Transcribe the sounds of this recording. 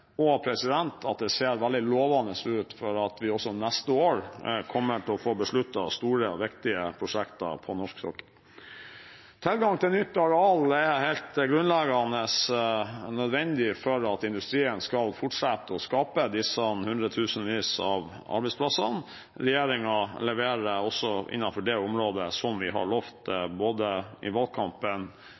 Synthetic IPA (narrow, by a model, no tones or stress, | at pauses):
ɔpʰɾɛsɪd̪ɛnt̪ʰɑt̪̚d̪ɛseːɾʋæld̪ɪloːʋɑːnəsʉːt̪fɔɾɑt̪ʋɪɔsːɔnæst̪əoːɾkʰɔmːəʈʰɪlɔfoːbəʂɭʉt̪ːɑst̪uːɾəʋɪkt̪ɪəpʰɾʊʂɛkt̪ɑ̰pʰɔnɔʂksɔ̰kːə̥ | t̪ʰɪlɡɑŋt̪ʰɪlnʏt̪ːɑɾɛɑlɛhɛɪlt̪ɡɾʉnlɛɡɑnəs | nœd̪ʋɛnd̪ɪfɔɾɑt̪ɪnd̪ʉst̪ɾiːənskɑlfʊʈʂɛt̪ːəɔskɑːpəd̪ɪsənhʉnd̪ɾət̪ʰʉːsənʋiːsɑ̰ʋ | ɑ̰ɾbɛspʰlɑsən | ɾɛjeːɾɪŋɑlɛʋeːɾəɔsːɔʔɪ̰nːɑnfɔɖɛʊmɾoːd̪əsɔmʋɪɦɑ̰ɭoːft̪boːd̪əɪ̰ʋɑlkʰɑmpən